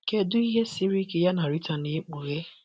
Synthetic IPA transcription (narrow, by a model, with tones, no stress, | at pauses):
ke˦dʊ˦i˦ɦe˦si˦ɾi˦ke˦ja˦na˨ɾi˦ta˨ne˨˦k͡pu˨ɣe˦